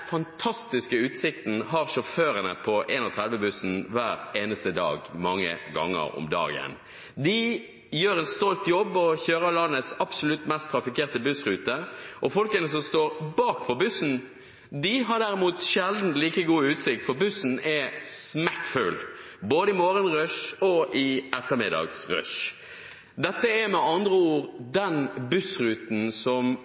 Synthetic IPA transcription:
fɑnt̪ʰɑst̪ɪskəʉːt̪sɪk̚t̪n̩hɑʁʃɔføːɾənəpʰɔʔeːnɔt̪ʰʁɛd̪ʋəbʉsn̩ʋæːɾeːnəst̪əd̪ɑ̰ːɡmɑŋːə̰ɡɑ̰ŋːə̰ɾɔ̰md̪ɑ̰ːɡɪ̰ɛ̰n | d̪ɪ | jøːɾɛnst̪ɔlt̪jɔbːɔçøːɾəlɑnːət̪sɑpsʊlʉt̪mɛst̪ʰɾɑfɪkeːʁt̪əbʉsʁʉːt̪əʔɔfɔlkənəsɔmst̪oːɾbɑːk̚pʰɔbʉsn̩ | d̪ɪɦɑɖ̪æɾɪmuːt̪ʃɛld̪n̩t̪liːkəɡuːʉːt̪sɪkt̪fɔʁbʉsn̩ɛsmækfʉ̰l | boːd̪əɪmoːɾənʁœʂɔʔɪʔɛt̪ːəɾmɪ̰d̪ɑ̰ːɡsɾœ̰ʂ | d̪ɛt̪ːəɛmɛʔɑnd̪ʁəuːɾd̪ɛnbʉsɾʉːt̪n̩sɔm

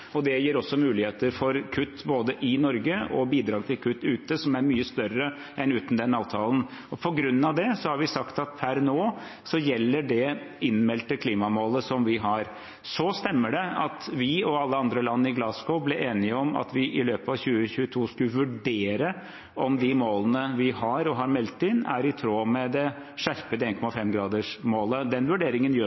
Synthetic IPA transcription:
ɔd̪ɛjiːɾɔsːɔmʉːlɪheːt̪əɾfɔɾkʰʉt̪ːboːd̪əʔɪnɔɾɡəɔbiːd̪ɾɑːɡ̚t̪ʰɪlkʰʉt̪ːʉːt̪əsɔmæɾmyːəst̪œrə | ɛnʉːt̪n̩d̪ɛnɑːʋt̪ʰɑːln̩ | ɔpʰɔɡɾʉnːɑʋd̪ɛsɔhɑɾʋɪsɑkt̪ɑt̪̚pʰæɾnoː | sɔjɛlːəɖɛ | ɪnmɛlt̪əkʰliːmɑmoːləsɔmʋɪɦɑɾ | sɔst̪ɛmːəɖɛɑt̪ʋɪɔɑlːəɑnd̪ɾəlɑnːəɪɡlɑːskɔblɛʔeːnɪəɔmɑ̰t̪ʋɪʔɪløːpəɑʋçʉːəçʉːət̪ʰuːskʉlʋʉɖeːɾə | ɔmd̪ɪmoːlənəʋɪɦɑɾɔɦɑɾmɛlt̪ːɪnːæ̰ɾɪt̪ʰɾoːmɛd̪ɛ | ʂæɾpəd̪ɛeːnkʰɔmɑfɛmɡɾɑːd̪əʂmoːləd̪ɛnʋʉɖeːɾɪŋənjøː

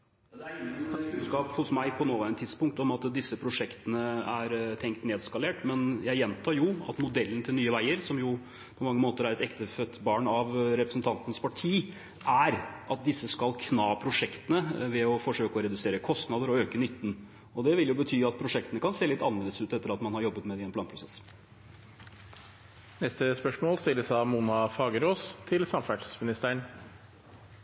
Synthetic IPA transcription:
d̪ɛæt̪ʰɑskɑːphʊsmæɪpʰɔnoːʋæɪnət̪ʰːɪd̪̥spʊŋkt̪ɔmɑt̪d̪ɪsːəpʰɾʊʂɛkt̪ənəæɾt̪ʰɛŋkt̪neːd̪skɑleːʈmɛnjæɪjɛnt̪ʰɑːɾjʊɑ̰t̪mʊd̪ɛlːənət̪ʰɪlnyːəʋæɪəɾsɔmjʊ | pʰɔmɑŋːəmoːt̪əɾæɾɛt̪ɛkt̪əfœt̪ːbɑːɳɑʋɾɛpɾəsn̩t̪ʰɑnt̪nəspʰɑʈʰiː | ʔæɾʔɑt̪̚d̪ɪsːəskɑlkʰnɑːpʰɾʊʂɛkt̪ənəʋɛɔfɔʂøːkəɔɾɛd̪ʉseːɾəkʰɔst̪nɑd̪əɾɔøːkənʏt̪ːn̩ | ɔd̪ɛʋɪljʊbət̪ʰyːɑt̪̚pʰɾʊʂɛkt̪ənəkʰɑnseːlɪt̪ːɑnʋɛlːəsʉːt̪ɛt̪ːəɾɑt̪mɑnhɑɾjɔbːət̪mɛd̪ɛɪɛnplɑːnpʰɾʊsɛsː | nɛst̪əspœʂmoːlst̪ɪlːəsɑmuːnɑfɑːɡəɾoːst̪ʰɪlsɑmfæʈsmɪnɪst̪æəɳ

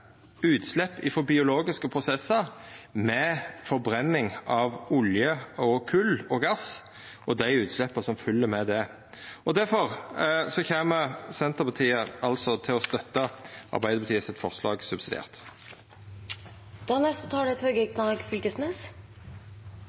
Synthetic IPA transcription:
ʉːt̪slɛpːɪfɔbɪʊloːɡɪskəpʰʁʊsɛsːɑmɛfɔbɾɛnːɪŋʔɑʋʊljəɔkʰʉlːɔɡɑs | ʔɔd̪æɪʉːt̪slɛpːəsɔmfʏlːəɾmɛd̪ɛ | ʔɔd̪æɾfɔʁsɔçeːməsɛnt̪əʁpʰɑt̪ʰiːəʔɑlt̪sɔt̪ʰɪlɔst̪œt̪ːəʔɑ̰ɾbæɪd̪əbət̪ʰiːəsɛt̪fɔʁslɑ̰ːɡsʉbsɪd̪ḛːʁt̪ | d̪̥ɑnɛst̪ət̪ʰɑːɖ̪ɛɛt̪hœɡəɛknɑːɡfʏlkəsneːs

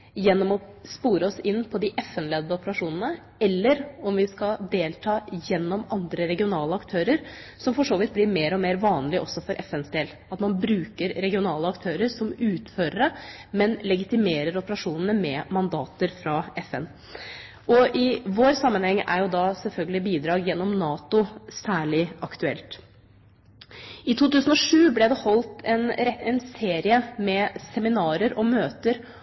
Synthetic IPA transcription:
jɛnːɔmɔspuːɾəɔsɪnːpʰɔd̪ɪʔɛfɛnleːd̪əɔpəɾɑʂuːnənə | ɛlːəɾɔmʋɪskɑd̪eːlt̪ʰɑːjɛnːɔmɑnd̪ɾəɾɛɡɪʊnɑːləɑkt̪ʰøːɾəɾ | sɔmfɔʂoːʋɪt̪̚blɪɾmeːɾɔmeːɾʋɑːnlɪʔɔsːɔfɔɾʔɛfɛnsd̪eːl | ɑt̪mɑnbɾʉːkəɾɾɛɡɪʊnɑːləɑkt̪ʰøːɾəɾsɔmʉːt̪føːɾəɾəmɛnlɛɡɪt̪ɪmeːɾəɾɔpəɾɑʂuːnənəmɛmɑnd̪ɑːt̪əɾfɾɑɛfɛn | ɔʔɪʋoːɾsɑmːənhɛŋːæ̰ɾjʊd̪ɑsɛlfœlɡəlɪbiːd̪ɾɑːɡjɛnːɔmnɑːt̪ʊsæːɭɪɑkt̪ʉɛ̰lt̪ | ɪt̪ʰuːt̪ʉːsən̩ɔʂʉːblɛd̪ɛhɔlt̪ɛnɾɛɛnseːɾɪəmɛsɛmɪnɑːɾəɾɔmøːt̪əɾ

